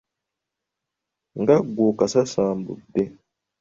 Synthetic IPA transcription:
ŋɡaɡokasasãːmbṵbe

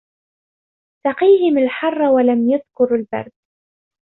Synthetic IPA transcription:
t̪ɑqiːhɪmalħɑrˤːɑwalamjaðkʊɾalbɑ̰ɾˤd̪̚

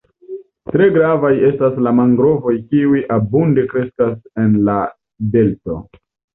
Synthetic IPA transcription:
tɾe̞ɡɾavaje̞staslamaŋɡɾo̞vo̞jkiujʔabunde̞kɾe̞skase̞nla | de̞lto̞̰

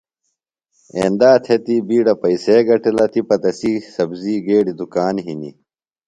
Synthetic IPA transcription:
ḛːnd̪aːt̪ʰet̪ibiːɖɐpɐiseːɡɐʈilɐt̪ʰipɐt̪ɐsisɐbziːɡeːɖid̪ukaːnɦinḭ

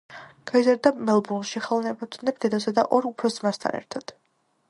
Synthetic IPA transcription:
ɡ̥aizaɾd̪amɛlˠbuɾnʃiχɛlˠnɛbɔt̪ʰʼnɛp̚ʰd̪ɛd̪ɔsad̪a̰ʔɔɾupʰɾɔsmast̪ʰa̰nɛ̰ɾt̪ʰad̪̥

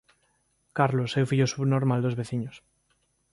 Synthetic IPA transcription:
kaɾlosewfiʎosuβnoɾmald̪ozβeθiɲos

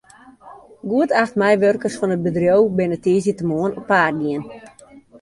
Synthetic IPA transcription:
ɡuətaxtmɛjʋørkərsfɔnət̚bədrjowbɪnətiːzjətəmoənɔpːaːrɡiən

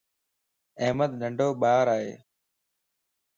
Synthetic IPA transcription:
eːməd̪ɗəɳɖʱoːɓaːɾaːɦḛː

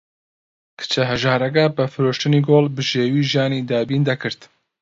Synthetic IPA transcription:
kʰɨ̥t͡ʃʰɛɦɛʒaːɾɛɡabɨfɨɾoːʃt̪ɨniːɡoːlbɨʒeːwiːʒijaːniːd̪aːbiːnd̪ɐkɨɾt̪

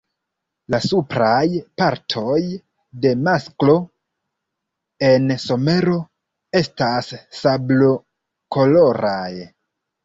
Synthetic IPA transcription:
lasupɾajpaɾtʰo̞j | de̞masklo̞ | e̞nso̞me̞ɾo̞ | e̞stasːablo | ko̞lo̞ɾaj

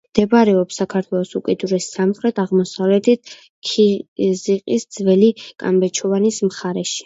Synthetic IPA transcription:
md̪̥ɛbaɾɛɔpsakʰaɾt̪ʰwɛlˠɔsukʼid̪uɾɛsːamχɾɛt̪ʰaʁmɔsavlɛt̪it̪̚ʰ | kʰiziqʼisd̪zvɛlikʼa̰mbɛt͡ʃʰɔvanismχaɾɛʃi̥

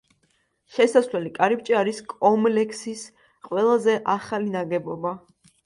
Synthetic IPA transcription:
ʃɛsaslɛlikʼaɾip̚t͡ʃʼiaɾiskʼɔmlɛkʰsis | qʼwɛlˠazɛʔaχalinaɡɛbɔba

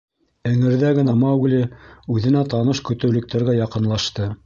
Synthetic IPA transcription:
ɘ̆ŋɘ̆ɾðæɣɘ̆nɑmɑwɡlɘʉðɘ̆næt̪ɑnɤʃkɵ̆t̪ɘ̆wlɵ̆k̚t̪æɾɡæjɑqɤ̆nlˠɑʃt̪ɤ

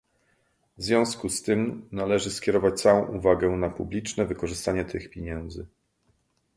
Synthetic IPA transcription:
vzvʲjɔ̃w̃skust̪ɘmnalɛʐɘskʲɛɾɔvat͡ɕt̪sawɔ̃w̃ʔuvaɡɛnapublʲit͡ʂnɛvɘkɔʐɘst̪aɲɛt̪ʰɘxpʲjeɲɛnd̪zɘ

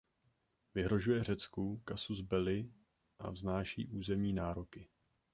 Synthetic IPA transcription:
vɪɦɾo̞ʒujɛr̝ɛt͡skukasuzbɛlɪ | ʔa̰vznaːʃḭːʔuːzɛmɲiːnaːɾokɪ

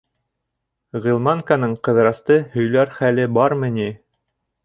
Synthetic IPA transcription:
ʁilˠmɑŋkanɤɴqɤ̆ðɾɑst̪ɤhɵ̆jlæɾχælɘbɑɾmɘ̆ni

